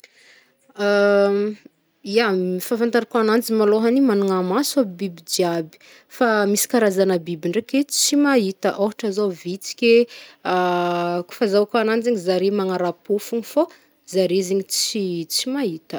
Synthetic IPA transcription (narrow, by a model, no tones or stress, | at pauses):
a | iaifafant̪aɾakoanand͡ʒimaloɦanimanuŋamasuabibid͡ʒiabi̥ | famisi̥kaɾazanəbibiɳɖ͡ʐekʲet͡simaɦit̪əʔoɦaʈ͡ʂazovit͡si̥kʲeaku̥fazawakoanand͡ʒeɲizaɾemaŋaɾapufuŋifo | zaɾezeɲit͡sit͡simaɦit̪ə